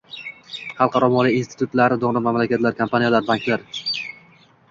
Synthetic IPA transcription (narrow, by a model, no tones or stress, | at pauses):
χɑlˠqʰɑɾɒmɒlˠijinst̪ɪ̥t̪ʰut̪laɾɪd̪oʁnɪmamlakʲat̪laɾkʰampʰanijalaɾbaŋkʲlaɾ